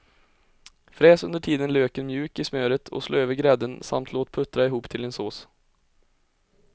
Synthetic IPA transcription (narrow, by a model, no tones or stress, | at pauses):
fɾeːsɵnd̪əʈʰiːd̪ənløːkənmjʉ̟ːkɪsmøːɾət̪ʰɔ̰slʔoːøːvəɾɡɾɛd̪ənsa̰mt̪ʰloːt̪̚pʰɵt̪ːɾaɪɦuːpt̪ʰɪlɛnsoːs